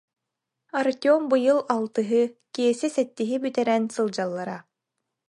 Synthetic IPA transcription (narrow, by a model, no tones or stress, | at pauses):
aɾt̪ʲɔmbɯjɯlˠalˠt̪ɯɦɯkiɛsisɛt̪ːiɦibyt̪ɛɾɛnsɯlˠd͡ʑalˠːaɾa